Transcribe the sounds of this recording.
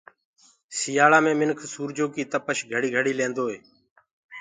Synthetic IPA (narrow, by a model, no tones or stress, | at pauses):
sɪjaːlaːmẽːmɪnkʰsuːɾd͡ʒoːkiːt̪əpəʃɡʱəɽiːɡʱəɽiːlẽːnd̪oːɦeː